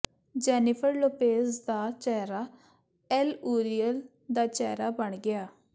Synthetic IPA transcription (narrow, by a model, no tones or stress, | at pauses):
d͡ʒɛːnɪpʰəɾloːpeːsd̪aːt͡ʃɛːɾaː | ɛluːɾijəl | d̪aːt͡ʃɛːɾaːbəɳɡɪaː